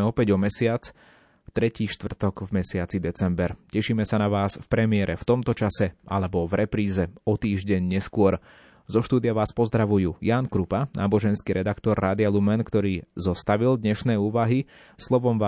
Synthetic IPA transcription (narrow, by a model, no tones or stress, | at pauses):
ɛɔpɛɟɔmɛsɪat͡s | ft̪ɾɛciːʃt̪ʋr̩t̪ɔɡvmɛsɪat͡sid̪ɛt͡sɛmbɛɾcɛʃiːmɛsanaʋaːsfpɾɛmɪɛɾʔɛft̪ɔmt̪ɔt͡ʃasɛʔa̰lɛbɔvɾɛpɾiːzɛɔt̪iːʒɟɛɲɲɛskʊɔɾ | zɔʃt̪uːd̪iɪaʋaːspɔzd̪ɾaʋujuːjaːnkɾupana̰ːbɔʒɛnskiɾɛd̪akt̪ɔɾːaːd̪ɪalumɛnkt̪ɔɾiːzɔst̪aʋild̪ɲɛʃnɛːuːʋaɦi | slɔʋɔmʋaː